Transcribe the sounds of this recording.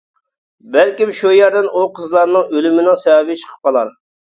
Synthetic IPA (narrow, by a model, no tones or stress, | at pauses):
bɛlkʲimʃujæɾd̪ɪnʔuqʰəzlˠɑɾnɨŋølymɪnɪŋsɛɑbɪt͡ʃʰə̥qʰə̥p̚qɑlˠɑɾ